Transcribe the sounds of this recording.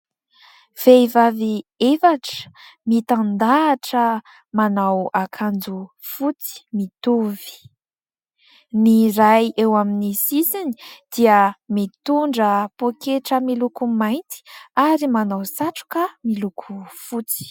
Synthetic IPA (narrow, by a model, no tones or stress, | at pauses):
v̥ejvaviefaʈ͡ʂə̥mit̪and̪aːʈ͡ʂə | manawakʰand͡zu | fut͡si̥mit̪uvi̥ | niɾajewaminisisini̥d̪̥iəmit̪uɳɖ͡ʐəpokeʈ͡ʂəmilukumajnt̪i̥aɾimanawsaʈ͡ʂu̥kamilukʰufut͡si̥